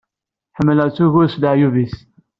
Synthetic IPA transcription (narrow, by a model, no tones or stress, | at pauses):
ħəmːələt͡sːuʝʊɾsd̪əʕjuvis